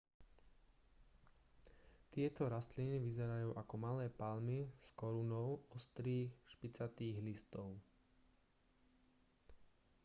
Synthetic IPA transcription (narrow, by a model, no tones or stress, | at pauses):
t̪ɪɛt̪ɔɾast̪liniʋizɛɾajuːʔakɔmalɛːpalmiskɔɾunɔʊɔst̪ɾiːxʃpit͡sat̪iːɣlist̪ɔʊ